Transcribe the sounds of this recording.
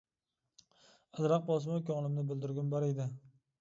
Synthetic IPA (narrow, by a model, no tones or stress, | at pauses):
azɾaq̚bɒs̬ɪmakʲɒŋlˠɪmnɪbɪlˠd̪ɪɾɡʲɪmbaɾejd̪ɪ